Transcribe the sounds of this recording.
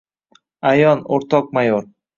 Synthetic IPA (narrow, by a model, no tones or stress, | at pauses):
ajɒnoɾt̪ʰɒq̚majoɾ